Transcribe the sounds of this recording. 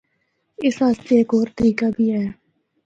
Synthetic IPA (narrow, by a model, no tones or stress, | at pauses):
ɪsaəst̪eeːkoːɾt̪əɾiːkaːbʱiːɦɛː